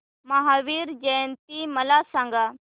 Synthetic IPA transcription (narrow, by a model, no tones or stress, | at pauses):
mɐɦaːʋiːɾd͡ʒəjnt̪̚imɐlaːsãːŋɡaː